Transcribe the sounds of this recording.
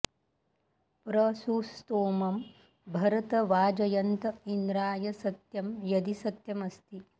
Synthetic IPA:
pɾɐsust̪oːmɐm | bʱɐɾɐt̪ɐʋaːd͡ʒɐjɐnt̪ɐind̪ɾaːjɐsɐt̪jɐmjɐd̪isɐt̪jɐmɐst̪i

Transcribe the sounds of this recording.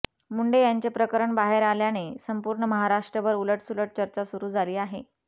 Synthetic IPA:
muɳɖejaɲt͡ɕepɾəkəɾəɳbaɦeɾaljanesəmpuːɾɳəməɦaɾaʂʈɾəʋəɾuləʈsuləʈ̚t͡ɕəɾt͡ɕasuɾuːd͡zʱaliːaɦe

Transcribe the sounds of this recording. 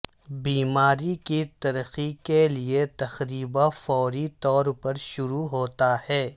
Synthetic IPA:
biːmaːɾikit̪ɐɾəxikeliet̪ɐxɾiːbafɔːɾit̪ɔːɾpɐɾʃʊɾuɦoːt̪ahɛː

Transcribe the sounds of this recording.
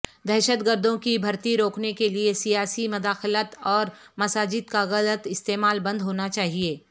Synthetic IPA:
d̪ɛːʃət̪ɡəɾd̪ʱõkibʱɐɾt̪iɾoːknekeliesijaːsimʊd̪aːxlət̪ɔːɾ | mɐsaːd͡ʒɪd̪kaɣɐlət̪ɪst̪eːmaːlbɐ̃nd̪ɦoːnat͡ʃaːɦieː

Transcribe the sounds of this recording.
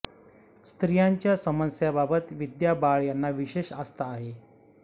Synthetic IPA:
st̪ɾijaɲt͡ɕjasəməsjababət̪ʋid̪jabaɭjanːaʋiɕeɕast̪aːɦe

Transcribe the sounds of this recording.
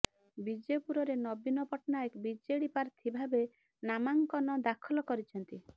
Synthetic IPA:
bid͡ʒepuɾɔɾenɔbinɔpɔʈnaekbid͡ʒeɽipaɾt̪ʰibʱabe | namaŋkɔnɔd̪akʰɔlɔkɔɾit͡ʃʰɔnt̪i

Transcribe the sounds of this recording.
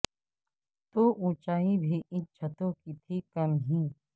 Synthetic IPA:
t̪oːʔũːt͡ʃaːĩbʱiːʔɪ̃t͡ʃʰət̪õːkit̪ʰikɐmɦĩː

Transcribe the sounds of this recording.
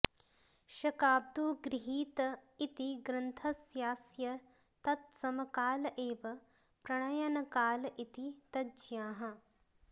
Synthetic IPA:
ʃɐkaːb̚d̪uːɡɾɪɦiːt̪it̪iɡɾɐnt̪ʰɐsjaːsjɐ | t̪ɐt̪̚sɐmɐkaːlɐʔeːʋɐ | pɾɐɳɐjɐnɐkaːlʔit̪it̪ɐd͡ʒjaːɦɐ̆

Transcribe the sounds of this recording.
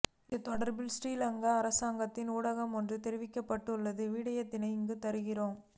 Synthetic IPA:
ɪnd̪ɯt̪ɔɽɐɾbɪlsʈiːlɐŋɡɐːɾɐsaːŋɡɐt̪ːɪnuːɽɐɣɐmɔndrɯt̪ɛɾɪʋɪkːɐpːɐʈːɯɭːɐðɯʋiːɽɐjɐt̪ːɪnɐɪŋɡɯt̪ɐɾɯɣɪroːm

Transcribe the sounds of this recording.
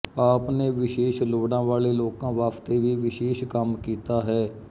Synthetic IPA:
aːpneːʋɪʃeːʃloːɽãːʋaːleːloːkãːʋaːpʰt̪eːʋiːʋɪʃeːʃkəmkiːt̪aːɦɛː

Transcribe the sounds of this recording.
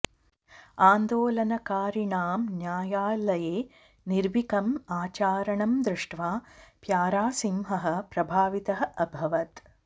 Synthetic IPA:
aːnd̪oːlɐnɐkaːɾiɳaːmnjaːjaːlɐjeː | niɾʋikɐmaːt͡ʃaːɾɐɳɐmd̪ɾɪʂʈʋaːpjaːɾaːsimɦɐɦɐ̆pɾɐbʱaːʋit̪ɐɦɐ̆ʔɐbʱɐʋɐt̪

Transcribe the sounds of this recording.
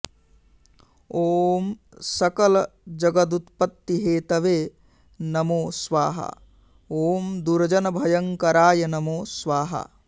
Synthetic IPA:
oːm | sɐkɐlɐd͡ʒɐɡɐd̪̬ut̪pɐt̪ːiɦeːt̪ɐʋeː | nɐmoːsʋaːɦɐ̰ | oːmd̪uɾɐd͡ʒɐnɐbʱɐjɐŋkɐɾaːjɐnɐmoːsʋaːɦɐ̰

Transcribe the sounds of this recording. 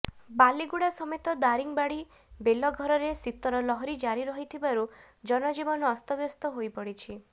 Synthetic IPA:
baliɡuɽasɔmet̪ɔd̪aɾiŋbaɽi | belɔɡʱɔɾɔɾesit̪ɔɾɔlɔɦɔɾid͡ʒaɾiɾɔɦit̪ʰibaɾu | d͡ʒɔnɔd͡ʒibɔnɔːst̪ɔbjɔst̪ɔɦojpɔɽit͡ʃʰi

